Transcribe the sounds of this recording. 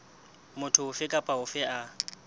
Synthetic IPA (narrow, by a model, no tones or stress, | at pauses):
mʊtʰʊʊfɪkʼapʼaʊfɪʔa